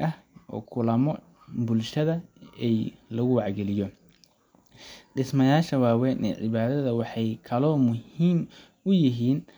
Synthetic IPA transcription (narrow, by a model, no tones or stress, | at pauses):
ɐhʔɔ̰ːkʰʊlɐmɔ | bʊlʃɐðɐɛlɐɣʊwɑʕɡɛlɪjɔ | ɖɪsmɐjaːʃɐwaːwɛnʔɛ̰ʕɪ̰βaːðɐðɐwɑħɑjkʰɐlɔːmʊhiːm | ʊjɪɦiːn